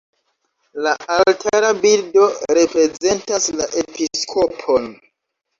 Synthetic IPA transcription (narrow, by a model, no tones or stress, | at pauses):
laʔalltʰaɾabildo̞ɾe̞pɾe̞ze̞ntaslaʔe̞piskʰo̞pʰo̞n